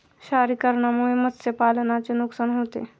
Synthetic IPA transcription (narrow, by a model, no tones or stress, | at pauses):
ɕaɾiːkəɾɳjamuɭeməsepalənat͡senuksanɦot̪ḛ